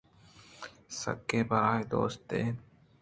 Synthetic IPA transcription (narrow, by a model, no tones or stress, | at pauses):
sə̰kːeːbaːid̪o̰ːst̪eː